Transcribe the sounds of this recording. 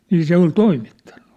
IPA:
niː se ol toimitːɑ̥n̥ːu̥

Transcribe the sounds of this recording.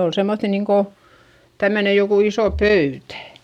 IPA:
ol semːoθːi niːŋko tæmːøne jokuˑ iso pøytæ

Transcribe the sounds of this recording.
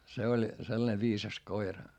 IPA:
se olʲ selːɑ̆ne ʋiːsɑs koirɑ

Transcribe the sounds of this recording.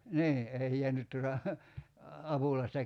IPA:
niː ei jeænyt tuotɑ ɑpulɑistɑ

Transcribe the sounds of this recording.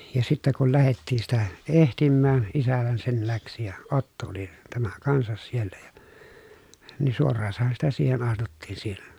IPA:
jɑ sitːæ kul læhetːiː sitæ ehtimːæːn isæhæn sen læksi jɑ otːo oli tæmæ kɑnsɑs sielːæ jɑ ni suorːɑːsɑhɑ sitæ siːhen ɑstutːiːn siːhen

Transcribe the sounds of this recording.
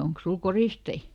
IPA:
oŋks sul koristei

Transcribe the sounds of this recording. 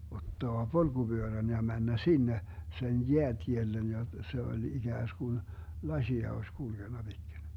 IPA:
otːoɑ polɡ̊ub̥yøræn jɑ mænːæ sinːe sen jeætʲielːen jɑ se olʲ iɡ̊æːsɡ̊un lɑsʲiɑ osʲ kulɡ̊enːɑ b̥itkin̞

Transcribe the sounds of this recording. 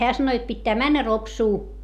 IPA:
heæ sɑno jot pitːæː mænːæ ropsuː

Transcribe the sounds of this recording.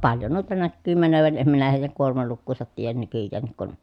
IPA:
pɑljo nuitɑ nækːyː mænøʋæn em minæ heˑi̯jæŋ kuormɑlukːuːsɑt tiːjæn nykyjːæːnːik kun

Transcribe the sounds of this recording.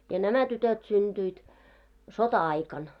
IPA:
jɑ næmæ tytøt synd̥yit sotɑɑikɑn

